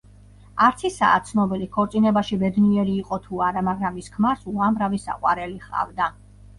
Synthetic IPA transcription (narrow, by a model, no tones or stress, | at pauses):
aɾt̪sʰisa̰ːt̪sʰnɔbilikʰɔɾt̪sʼinɛbaʃibɛd̪niɛɾiːqʼɔt̪ʰuaɾamaɡɾamiskʰmaɾsuamɾavisa̰qʼwa̰ɾɛliχa̰vd̪a